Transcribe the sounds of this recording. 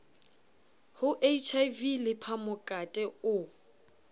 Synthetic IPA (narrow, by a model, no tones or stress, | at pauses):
hʊʔeit͡ʃʰajvilɪpʰamʊkʼatʼɛʊ